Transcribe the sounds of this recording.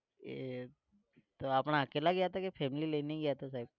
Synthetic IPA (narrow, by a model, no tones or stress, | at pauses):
t̪oapɳ̃aəkelaɡjat̪akefʰɛmliːleneiɡjat̪os̬aib̚